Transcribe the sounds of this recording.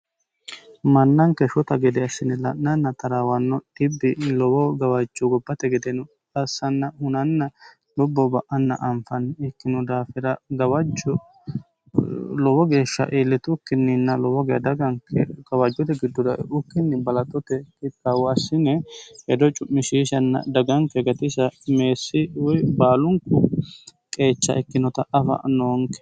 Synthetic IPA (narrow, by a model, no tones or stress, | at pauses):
mɐnːɐŋkɛʃɔt̪ɐɡɛd̪ɛɐsːɪnɛlɐʔːɐnːɐt̪ʰɐɾaːwɐnːɔdɪbːɪlɔwɔɡɐwɐd͡ʒːɔɡɔbːɐt̪ɛɡɛd̪ɛnʊ | ɐsːɐnːɐhʊnɐnːɐ | lʊbːɔbɐʔɐnːɐ̰ʔɐmfɐnɛkːɪnʊd̪aːfɪɾɐɡɐwɐd͡ʒɔ | lɔwɔɡe̞ːʃːɐ̰ʔeːlːɛt̪ʊkːɪnːɪnːɐlɔwɔɡɛjɐd̪ɐɡɐŋkʰɛɡɐwɐd͡ʒːɔt̪ɛɡɪd̪ːɔd̪ɐʊkːɪnːɪbɐlɐt̪ʼːɔt̪ɛkɪkawɐsːɪnɛhɛd̪ɔt͡ʃʼʊmːɪʃiːʃɐnːɐ̰d̪ɐɡɐŋkɛɡɐt̪ɪsɐmeːsːɪwɔjbaːlʊŋkʊ | kʼe̞ːt͡ʃːɐ̰ʔɛkːɪnɔt̪ɐʔɐfɐ̰noːŋkɛ̥